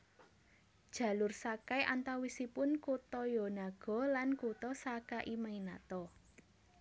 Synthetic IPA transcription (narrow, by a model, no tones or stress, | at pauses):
d̥ʒ̥ä̤lʊrsakajʔant̪awisipʊnkut̪ɔjɔnaɡ̥ɔ̤lankut̪ɔsakaʔimainat̪ɔ